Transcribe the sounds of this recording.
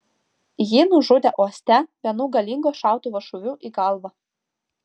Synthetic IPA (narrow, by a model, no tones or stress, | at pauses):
jiːnʊʒʊd̪ʲɛʔoɔsʲt̪ʲɛbʲɛnuːɡɐlʲɪŋɡoːʃɑˑʊt̪uːʋɐʃʊʋʲuːʔiːɡɐˑlˠˑʋɑ